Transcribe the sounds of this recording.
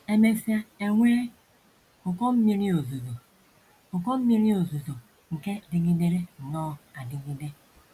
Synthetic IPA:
e˦me˦fa˦e˦ŋʷe˦ɾe˦ | ʊ˨kɔ˦m̩˦mi˦ɾi˦o˨zu˨zo˨ | ʊ˨kɔ˦m̩˦mi˦ɾi˦o˨zu˨zo˨ | ŋ̩˨ke˦˨di˨ɡi˦de˦ɾe˦ŋ̩˨nɔ˦˨a˨di˨ɡi˦de˦

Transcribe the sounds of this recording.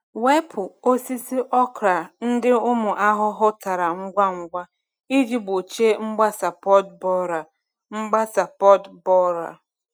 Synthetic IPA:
we˦pʰʊ˨o˦si˦si˦ʔɔ˦kɾa˨n̩˦dɪ˦ʊ˦mʊ˨ʔa˦ɦʊ˦ɦʊ˦ta˨ɾa˨ŋ̩˦ɡʷa˦ŋ̩˦ɡʷa˦ | i˦d͡ʒi˦bo˨t͡ʃe˦ŋ͡m̩˦ɡ͡ba˦sa˨pɔ˦dbɔ˦ɾa˨ | ŋ͡m̩˦ɡ͡ba˦sa˨pɔ˦dbɔ˦ɾa̰˨

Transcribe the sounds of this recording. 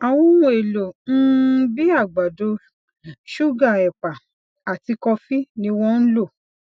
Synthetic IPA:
a˨wũ˦ũ˧e˨lo˨n̩˦bi˦a˦˨ɡ͡ba˨do˧ | ʃu˦˨ɡa˦˨ɛ˨k͡pa˨ | a˨ti˧kɔ˧fi˦nĩ˧˦w̃ɔ̃˧˦n̩˦lo˦˨

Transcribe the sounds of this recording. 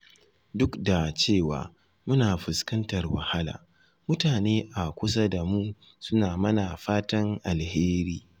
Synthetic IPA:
dʊ˦kda˨t͡ʃeː˦˨wa̰ː˨ | mʊ˦naː˨ɸʊ˨skɐ˦ntɐ˨rwɐ̰˨ha˦la̰ː˨ | mʊ˦taː˨neː˦ʔa˨kʷʊ˦s̬a˦da˨muː˦ | sʊ˦naː˨mɐ˦na˨ɸaː˦tɐ˦ŋʔa˨lheː˦ɾiː˦

